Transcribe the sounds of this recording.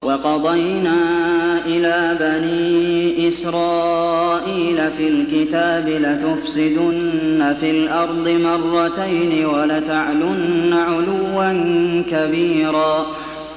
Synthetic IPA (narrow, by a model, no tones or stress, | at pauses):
wɑqɑd̪ˤɑjnaːʔɪlaːbaniːʔɪsɾɑːʔiːlafiːlkɪt̪aːbɪlat̪ʊfsɪd̪ʊnːafiːlʔɑɾˤd̪ˤɨmɑrˤːɑt̪ajnɪwalat̪aʕlʊnːaʕʊlʊwːankabiːɾaː